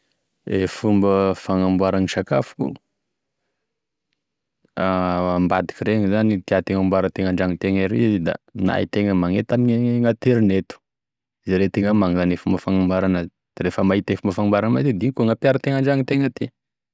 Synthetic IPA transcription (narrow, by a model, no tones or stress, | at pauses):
efumbəfaŋambwaɾaniʃaka̰fu̥kṵ | ambad̪i̥kiɾeŋizanit̪iat̪eŋambwaɾət̪eŋaɳɖ͡ʐaŋit̪eŋaɾezed̪a̰na̰ḭt̪eŋəmaŋet̪amiɲŋat̪eɾinet̪u̥ | zeɾet̪eŋəmaŋzanefumbəfaŋambaɾanə | d̪̥aɾefəmaɦit̪efumbəfaŋmbaɾanəmazed̪iŋikuŋapjaɾət̪eŋaɳɖ͡ʐaŋit̪eŋət̪i